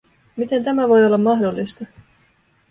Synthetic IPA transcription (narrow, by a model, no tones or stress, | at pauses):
mit̪e̞nt̪æmæʋo̞jo̞lːɑmːɑɦdo̞lːist̪ɑ